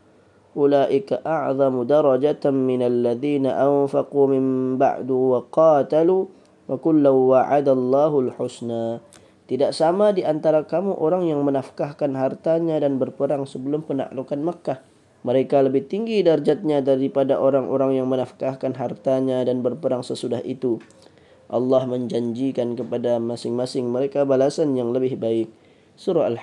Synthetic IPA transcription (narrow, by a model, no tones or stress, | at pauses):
ʔulaːʔɪkaʔaʕðˤɑmudaɾˤɑd͡ʒat̪ːɪnalːaðiːnaʔanfaqumɪmba̰ʕd̪uwaqɑːt̪alu | wakʊlːawːaʕad̪alˤːɑːɦulħʊsnaː | t̪idaʔsamadiʔant̪aɾakamuʔoɾaŋjaŋmənafkahkanɦart̪aɲadanbərpəɾaŋsəbəlʊmpəna̰ʔlukanməkːah | məɾekaləbɪht̪iŋɡidard͡ʒat̪̚ɲadaɾipadaʔoɾaŋʔo̰ɾaŋjaŋmənafkahkanɦart̪aɲadanbərpəɾaŋsəsudaɦʔḭt̪u | ʔɑlːɑhməɲd͡ʒaɲd͡ʒikankəpadamasɪŋmasɪŋməɾekabalasanjaŋləbɪhbaɪk̚ | suɾaal